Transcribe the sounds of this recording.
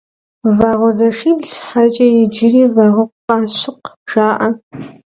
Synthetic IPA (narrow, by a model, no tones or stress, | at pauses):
vaːʁɔzɐʂiːbɬħat͡ʃʼɐjɪd͡ʒɪriːvaːʁɐqqɑːɕɪqʒaːʔɐ